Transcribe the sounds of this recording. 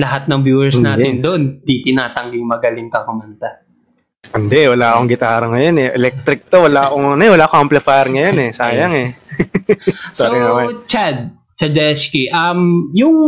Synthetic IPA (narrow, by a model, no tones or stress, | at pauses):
lɐɦat̪̚nɐŋbjuːɛɹsnaːt̪ɪnd̪oʔnd̪it̪ɪnaːt̪ɐŋɡɪŋmɐɡɐlɪŋkɐkʊmɐnt̪a | ʔɪnd̪ɛʔwɐlaːɐkoŋɡɪt̪aːɾɐŋɐjonɛʔɛlɛk̚t̪ɾɪk̚t̪owɐlaːkoŋɐnoɛwɐlaːkɐmplɛfajɾŋɐjonɛsaːjɐŋɛ | soɾɪnɐmat͡ʃad̪̚ | t͡ʃɐd͡ʒɛɛskiʔɐmjʊŋ